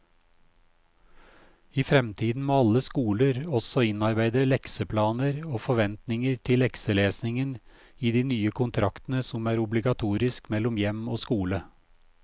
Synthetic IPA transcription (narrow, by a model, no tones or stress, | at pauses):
iːfɾɛmt̪ʰiːd̪n̩meːɑləskuːləɾɔsɔɪnɑɾbæɪd̪əlɛksəpʰlɑːnəɾoːfɔʋɛnt̪nɪŋəɾt̪ʰɪlːɛksəleːsnɪŋən | iːd̪iːnyːəkʰʊnt̪ʰɾɑkt̪ən̩əsɔmæːɾʊblɪɡɑt̪ʰuːɾɪskmɛlɔmjɛmoːskuːlə